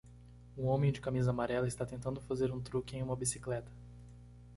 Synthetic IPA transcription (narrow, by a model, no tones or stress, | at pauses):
ũõmẽj̃d͡ʒɪkamizɐamaɾɛlɐɪst̪at̪ẽnt̪ɐ̃nd̪ʊfazeɾũt̪ɾukɪẽj̃ũmɐbisi̥klɛt̪ɐ̥